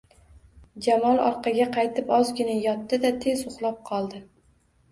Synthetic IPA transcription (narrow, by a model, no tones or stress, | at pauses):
d͡ʒamɒlˠɒ̰ɾqʰɑɡʲaqʰɑjt̪ʰɪpɒzɡʲɪnajɒt̪ːɪd̪at̪ʰe̞zʊχlˠɒp̚qʰɒlˠd̪ɪ